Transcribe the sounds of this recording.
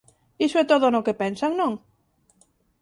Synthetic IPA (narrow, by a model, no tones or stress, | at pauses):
isoɛt̪oðonokepɛnsaŋnõŋ